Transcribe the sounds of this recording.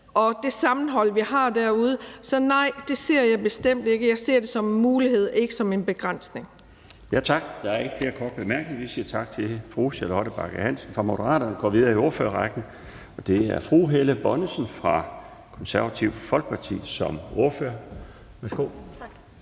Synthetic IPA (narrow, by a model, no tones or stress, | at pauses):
ʔɒ̽d̥e̝sɑ̈mn̩ɦɒ̽l̰ʋihɑ̈ːd̥æɐ̰uð̞ˠəsɒ̽nɑ̈ɪ̰d̥e̝se̝ɐ̰jɑ̈ɪb̥e̝sd̥em̰d̥e̝ɡ̥əjɑ̈ɪse̝ɐ̰d̥e̝sɒ̽menmuːlihe̝ð̞̰ˠe̝ɡ̥əsɒ̽me̝nb̥e̝ɡ̥ʁɑn̰sne̝ŋ | jæt͡sʰɑ̈ɡ̥d̥ɑ̈æɐe̝ɡ̥əfle̝ːɐkʰɒːd̥̚b̥emæɐɡ̥neŋʋisiːɐt͡sʰɑ̈ɡ̥̚t͡sʰe̝fʁuːsiɐlɒɾ̥əb̥ɑ̈ɡ̥əhæn̰sən̩fʁɑ̈mo̝d̥əʁɑ̰̈ːd̥ɐnɡ̥ɒ̰ːʋið̞ˠɐio̝ɐfø̰ɐʁɑɡ̥n̩ | ɒ̽d̥e̝æɐfʁuːɦeləb̥ɒ̽nəsənfʁɑ̈ | kʰɒ̽nsæɐʋæt͡sʰiʊ̰̥fɒ̽lɡ̥ə̥pʰɑ̈t͡sʰḭːsɒ̽mo̝ɐføɐ | ʋæsɡ̥o̝̰